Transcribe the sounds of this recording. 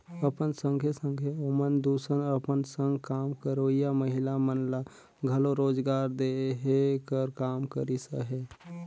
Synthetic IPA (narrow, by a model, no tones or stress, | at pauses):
əpənsə̃ŋɡʱesə̃ŋɡʱeomənd̪uːsənəpənsə̃ŋɡkaːmkəɾoijaməɦɪlamənla | ɡʱəloɾoːd͡ʒɡaːɾd̪eɦekəɾkaːmkəɾisə̰ɦe